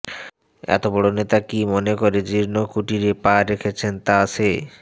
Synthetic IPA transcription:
ɛ̰t̪obɔɽonet̪akimonekoɾed͡ʑiɾnokuʈiɾepaɾekʰet͡ɕʰent̪aaʃʰe

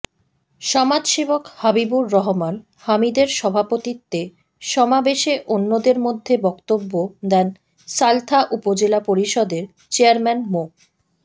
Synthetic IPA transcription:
ʃɔmad͡ʑʃebokhabibuɾːɔɦoman | hamid̪eɾʃɔbʱapot̪it̪ːe | ʃɔmabeʃeʔonːod̪eɾmod̪ʱːebɔkt̪obːod̪ɛn | salt̪ʰaʔupod͡ʑelapoɾiʃɔd̪eɾ | t͡ɕeaɾmɛnmo

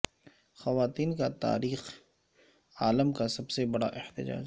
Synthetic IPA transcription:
xɐʋaːt̪iːnkat̪a̰ːɾiːx | aːləmkasɐbsebɐɽa̰ʔɪht̪ɪd͡ʒa̰ːd͡ʒ

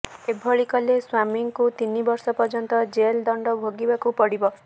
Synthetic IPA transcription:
ebʱɔɭikɔleswamiŋkut̪inibɔɾsɔpɔɾd͡ʒɔnt̪ɔd͡ʒeld̪ɔɳɖɔbʱoɡibakupɔɽibɔ

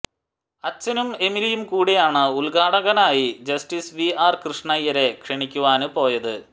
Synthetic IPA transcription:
ɐt͡ɕːɐnume̞milijumkuːɽijaːɳɨulɡaːɽɐɣɐnaːjid͡ʑɐsʈisʋiaːrkrɨʂɳɐjɐɾe̞kʂiɳikʲːuʋaːnɨpo̞ːjɐðɨ

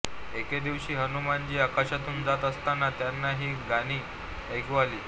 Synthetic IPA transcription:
eked̪iʋɕiːɦənumand͡ʑiːakaɕat̪uːnd͡zat̪əst̪anat̪janːaɦiːɡañiː | əjkʰʋaliː

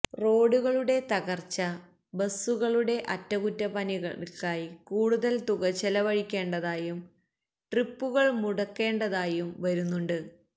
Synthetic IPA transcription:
ro̞ːɽuɣɐɭuɽe̞t̪ɐɣɐrt͡ɕɐ | bɐsːuɣɐɭuɽe̞ʔɐtːɐkutːɐpɐniɣɐɭkaːjikuːɽuðɐlt̪uɣɐt͡ɕːɐlɐʋɐɻikʲːe̞ːɳɖɐðaːjum | ʈripːuɣɐɭmuɽɐkːe̞ːɳɖɐðaːjumʋɐɾunːuɳɖɨ

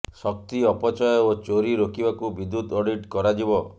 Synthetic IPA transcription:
sɔk̚t̪iɔpɔt͡ʃɔjɔot͡ʃoɾiɾokibakubid̪ːut̪ɔɖiʈkɔɾad͡ʒibɔ

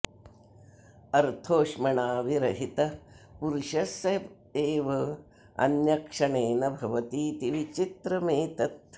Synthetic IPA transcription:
ɐɾt̪ʰoːʃmɐɳaːʋiɾɐɦit̪ɐpuɾʃɐsɐ | eːʋɐ | ɐ̰njɐkʂɐɳeːnɐbʱɐʋɐt̪iːt̪iʋit͡ʃit̪ɾɐmeːt̪ɐt̪

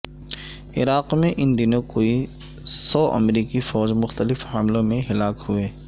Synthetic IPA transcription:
ɪ̰ɾaːqmẽʔɪnd̪ɪnõkoːi | sɔːʔɐ̰mɾiːkifɔːd͡ʒmʊxt̪əlɪfhɐmlõmẽɦɪlaːkhʊeː

